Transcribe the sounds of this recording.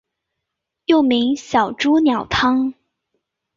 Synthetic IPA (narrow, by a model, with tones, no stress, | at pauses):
jo˥˩ʊmi˧˥ŋɕjɑ˨˩ʊʈ͡ʂu˥njɑ˨˩ʊt̪ʰɑ˥ŋ